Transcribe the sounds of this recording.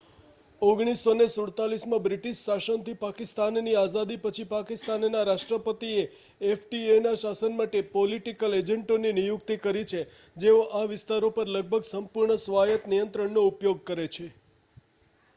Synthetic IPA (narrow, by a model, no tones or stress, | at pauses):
oɡɽ̃isonesuɽt̪alismãbɾɪʈiʃʃaʃənt̪ʰipakɪst̪anːiazad̪ipət͡ʃʰipakɪst̪annaɾaʃʈɾəpət̪ieː | fʈienaʃasənmaʈepoliʈikəled͡ʒəɳʈoninijukt̪ikəɾit͡ʃʰe | d͡ʒeoʔaʋɪst̪aɾopəɾləɡ̚bʱəɡsəmpʊɾɳəsʋajət̪nijənt̪ɾəɳnoupjoɡ̚kəɾet͡ʃʰe